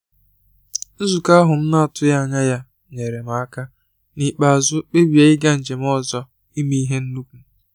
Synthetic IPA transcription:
n̩˦zu˨ka˦ɦʊ˨m̩˦na˦a˨tʊ˦ja˦a˨ɲa˦ja˦ | ɲe˨ɾe˨ma˨a˦ka˦ | ni˨k͡pa˨a˨zʊ˦k͡pe˦bja˨ɪ˦ɡa˦n̩˨d͡ʒe˨m˦ɔ˦zɔ˦ | i˦mi˦i˦ɦe˦n̩˦nu˦ku˨

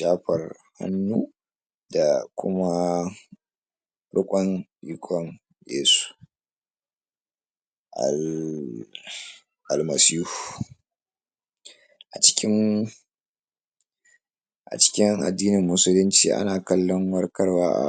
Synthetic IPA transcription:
ʃaː˦ɸɐ˨r | ha̰˦nːuː˦ | da˨kʷʊ˦ma˦ | ɽʊ˦kʷʼɔ˦nʔi˨˦kʷʰʼɔ˦ŋ | jḛː˦su̥˨ | ʔa̰˨l | ʔa˨lmɐ˨siː˦hu˨ | ʔa˨t͡ʃɪ̥˦kʲɪ˦ŋ | ʔa̰˨t͡ʃɪ̥˦kʲɪ˦ŋʔa̰˨dːiː˦nɪ˨mːʊ˦sʊ˦lɪ˦nt͡ʃḭː˨ʔa̰˦naː˨kɐ˦lːɔ˦ŋwɐ˦rkɐ˦rwa̰ː˦ʔa̰˨

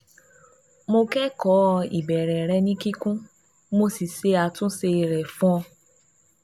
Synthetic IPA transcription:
mo˧kɛ˦kɔ˨˦˧ḭ˨bɛ˨ɾɛ˨ɾɛ˧˦nĩ˦ki˦kũ˦ | mo˧si˦˨se˧˦a˧tũ˦se˧ɾɛ˨fũ˦ɔ˧

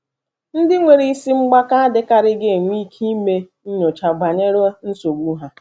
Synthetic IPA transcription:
n̩˦dɪ˦ŋʷe˨ɾi˦si˦ŋ͡m̩˦ɡ͡ba˦ka˦a˦dɪ˦ka˨ɾɪ˦ɡe˦˨ŋʷ˦i˦kʰi˦me˦ | n̩˦ɲo˨t͡ʃa˨ɡ͡ba˨ɲe˦ɾo˦n̩˦so˨ɡʷu˦ɦa˦

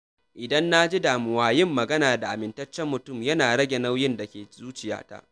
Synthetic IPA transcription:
ʔɪ˨dɐ˦nːa˦d͡ʒi˦daː˨mʊ˨waː˨jɪ˦mːɐ˨ɡɐ˦naː˨da˨ʔa˨mɪ˨ntɐ˦t͡ʃːɛ˦mːʊ˨tʊ˦˨mjɐ˦naː˨ɽɐ˦ɡʲe˨na˦wjɪ˦nda˨kʲeː˨zuː˦t͡ʃɪ˨ja̰ː˦ta̰˦ʔ

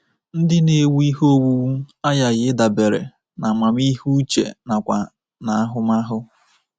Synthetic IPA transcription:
n̩˦dɪ˦ne˨wu˦i˦ɦo˦wu˦a˦ja˨ɣɪ˦da˨be˨ɾḛ˨ | na˨ma˨mi˦ɦu˦t͡ʃḛ˨na˨kʷa̰˨ | na˨a˦ɦʊ˦ma˦ɦʊ˦

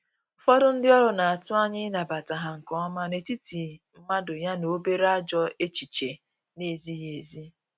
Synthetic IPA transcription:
ʊ˦fɔ˦dʊ˦n̩˦dɪ˦ɔ˦ɾʊ˨na˨a˨tʊ˦a˦ɲɪ˦na˨ba˨ta˨ɦa˨ŋ̩˨kɔ˦ɔ˦ma˦ne˨ti˦ti˨m̩˦ma˦dʊ˨ja˦no˨˦be˦ɾa˦d͡ʒɔ˦e˦t͡ʃi˨t͡ʃe˨ | ne˨zi˦ɦe˨zi˦

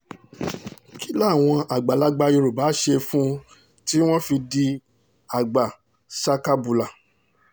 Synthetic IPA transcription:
ki˦la˦˨w̃ɔ̃˧ʔa˨ɡ͡ba˨la˨˦ɡ͡ba˧ji˧ɾo˨ba˨˦ʃe˧fũ˦ | ti˦w̃ɔ̃˦fi˧di˧ | a˨ɡ͡ba˨ | sa˧ka˦bu˨la˨

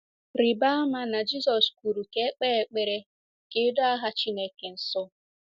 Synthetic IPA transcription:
ɾɪ˨ba˦a˦ma˦na˨d͡ʒi˦sɔ˨sku˨ɾu˨ke˦e˦k͡pe˦e˨˦k͡pe˨ɾe˦ | ke˦do˦a˦ɦa˦t͡ʃi˦ne˦ke˨n̩˨sʊ˦

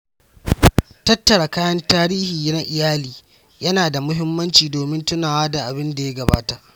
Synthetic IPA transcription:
tɐ˦tːɐ˨ɽa˨kaː˦jɐ˦ntaː˦ɾiː˦hiː˨na˦ʔɪ˨jaː˦liː˨ | jɐ˦naː˨da˨mʊ˦ɦɪ˦mːɐ˦nt͡ʃiː˨doː˨mɪ˦ntʊ˦naː˨waː˦da˨ʔa˨bɪ˦nda˨ja˦ɡɐ˨ba̰ː˦ta˨ʔ

